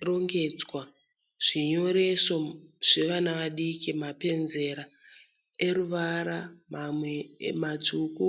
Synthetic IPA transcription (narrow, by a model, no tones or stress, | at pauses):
ro̞ŋɡe̞d͡zwa | ʐ̥iɲo̞ɾe̞so̞ʐ̥e̞ʋanaʋaɗikimape̞nze̞ɾa | e̞ɾuʋaɾamamwemad͡zuku